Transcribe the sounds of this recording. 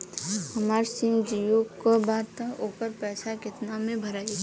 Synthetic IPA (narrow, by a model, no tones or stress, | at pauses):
həmaːɾsɪmd͡ʒijokobaːd̪t̪əoːkəɾpɛːsakɪt̪namẽbʱəɾaːi